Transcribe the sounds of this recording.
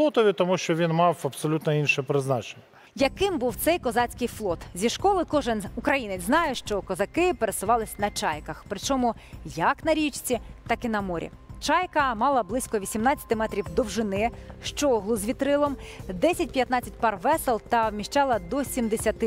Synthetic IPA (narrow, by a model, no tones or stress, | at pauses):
lˠɔt̪ɔʋʲit̪ɔmuʃt͡ʃɔʋʲinmɑwɐpsɔlʲut̪nɔinʃɛpɾɪznɑt͡ʃe̥nʲːɐ | jɐkɪmbuwt̪sɛjkɔzɑt͡sʲkɪjflˠɔt̪zʲiʃkɔlˠɪkɔʒɪnʊkɾɐjinɪt͡sʲznɑjʊʃt͡ʃɔkɔzɐkɪpeɾesʊʋɑlˠɪsʲnɐt͡ʃɑjkɐxpɾɪt͡ʃɔmu | jɐknɐɾʲit͡ʃt͡sʲit̪ɑkɪnɐmɔɾʲḭ | t͡ʃɑjkɐmɑlˠɐblˠɪsʲkɔʋʲisʲimnɑt͡sʲːɐ̥t̪ɪmɛt̪ɾʲiwd̪ɔwʒɪnɪʃt͡ʃɔɦlˠʊzʲʋʲit̪ɾɪlˠɔmd̪ɛsʲɐtʲpʲjɐt̪nɑt͡sʲːɐt̚ʲpɑrʋɛselˠt̪ɐwmʲiʃt͡ʃɑlˠɐd̪ɔsʲimd̪esʲɐt̪ɪ